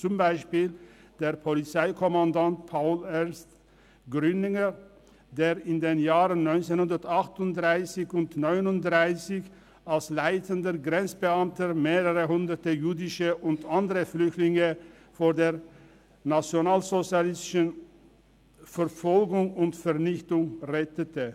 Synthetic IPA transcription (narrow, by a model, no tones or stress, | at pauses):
t͡sʊmbaɪʃpiːl | d̥eːʁpʰɔlɪt͡saɪkʰɔmandant̚pʰaʊlɛɐnst | ɡ̥ʁʏnɪŋə | deːɾɪndeːnjaːʁənnɔʏnt͡senhʊndəɐtaχtʊndʁaɪsɪçʊntnɔʏnʊntdʁaɪsɪç | alslaɪtʰəndəɡʁɛnt͡sb̥əamtəmeːʁəʁəɦʊndətəjyːdɪʃəʔʊntandəʁəflʏçtlɪŋə | foːʁdeːʁ | nat͡sjonaːlzot͡sjalɪstɪʃən | fɛɾfɔlɡʊŋʊntfɛʁnɪçtʊŋʁɛtətə